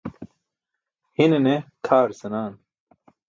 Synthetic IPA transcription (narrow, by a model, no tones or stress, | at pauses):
hinenekʰaːɾsɐnaːn